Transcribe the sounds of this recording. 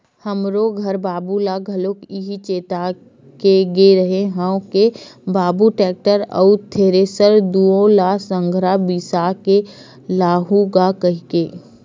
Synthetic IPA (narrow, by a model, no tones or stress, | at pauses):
həmɾoɡʱɐɾbaːbulaɡʱɐlokɪɦit͡ʃeːt̪a | keɡeɾəɦeɦə̃õkebaːbuʈɛːk̚ʈəɾə̰ʊt̪ʰːeːɾesəɾd̪uõlasə̃ŋɡʱɾabisake | laːɦuɡakəɦikeː